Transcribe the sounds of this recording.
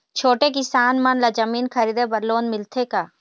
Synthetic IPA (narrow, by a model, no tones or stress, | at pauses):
t͡ʃʰoːʈek̬ɪsaːnmɐnlad͡ʒɐmiːnkʰɐɾiːd̪ebɐɾloːnmɪlt̪ʰekaː